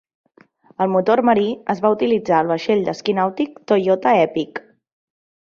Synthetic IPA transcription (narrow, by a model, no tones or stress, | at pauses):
əlˠmut̪orməɾiəzβaut̪ilid͡zaəlˠβ̞əʃeʎd̪əskinawt̪ik̚t̪ojot̪əɛpik